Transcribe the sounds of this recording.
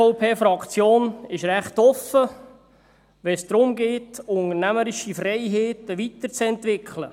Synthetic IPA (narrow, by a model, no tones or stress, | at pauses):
ɔʊpʰeːfɾɑkt͡sjoːnɪʃɾæχt̪ɔfə | ʋɛsd̥̪ɾʊmɡeːtʊŋəɾnæməɾɪʃifrɛɪɦeːt̪əʋit̪əɾt͡sɛntʋɪkʰlə̰